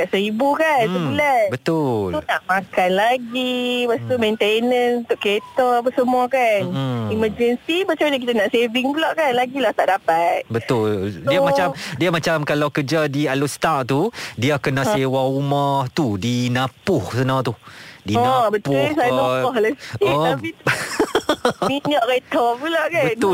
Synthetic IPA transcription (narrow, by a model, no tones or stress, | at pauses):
kaʔsəɾibukanəulanbət̪ʊlunaʔmãkanlaɡipast̪umẽnt̪enə̃nũnt̪ʊʔket̪ɔapasəmuakaniməd͡ʒənsimat͡ʃamiakit̪anaʔseviŋbəlɔʔkanlaɡilaht̪aʔdapat̪̚bət̪ʊldiamat͡ʃamdiamat͡ʃamkalawkəd͡ʒadialust̪aʔt̪udiakənasewaɾumaht̪udinãpʊhsənãt̪udinɔabət̪ʊsaɔɔləsɔapi | miɲaʔɾet̪ɔpulaʔkabənt̪ʊ